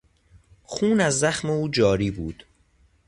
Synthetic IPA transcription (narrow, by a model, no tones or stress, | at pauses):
xuːnæzːæxmeuːd͡ʒɒːɾiːbuːd̪̥